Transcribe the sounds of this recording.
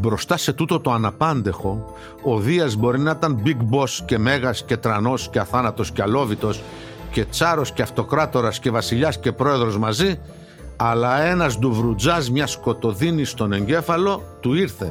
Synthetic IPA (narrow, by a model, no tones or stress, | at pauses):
bɾo̞st̪ɐse̞t̪ut̪o̞t̪o̞ɐnɐpɐnd̪e̞xo̞ | oðiɐzbo̞ɾinɐit̪ɐnbiɡbo̞sce̞me̞ɣɐsce̞t̪ɾɐno̞sce̞ɐθɐnɐt̪osceɐlo̞vit̪o̞s | ce̞t͡sɐɾo̞sceɐft̪o̞kɾɐt̪o̞ɾɐsce̞vɐsiʎɐsce̞pɾo̞e̞ðɾo̞zmɐzi | ɐlɐe̞nɐzd̪uvɾud͡zɐzmɲɐsko̞t̪o̞ðinist̪o̞ne̞ɲɟe̞fɐlo̞t̪uiɾθe̞